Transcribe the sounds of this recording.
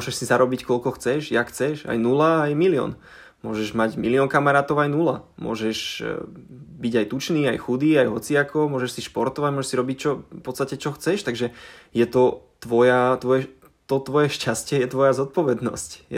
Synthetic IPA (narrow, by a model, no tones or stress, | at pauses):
mɔʒɛʃsizaɾɔbickɔlkɔxt͡sɛʒjakxt͡sɛʃa̰jnulaːjmiliɔ̰n | mʊɔʒɛʒmaɟmiliɔnkamaɾaːt̪ɔʊajnula̰mʊɔ̰ʒɛʒ | biɟajt̪ut͡ʃniːajxud̪iːajɦɔt͡siakʰɔmʊɔʒɛʃsiʃpɔɾt̪ɔʋaɟmɔʒɛʃsiɾɔbict͡ʃɔpɔt͡st̪acɛt͡ʃɔxt͡sɛʃt̪aɡʒɛjɛt̪ɔt̪ʋɔjat̪ʋɔjɛ | t̪ɔt̪ʋɔjɛʃcascɛjɛt̪ʋɔjazɔt̪̚pɔʋɛd̪nɔ̰scjɛ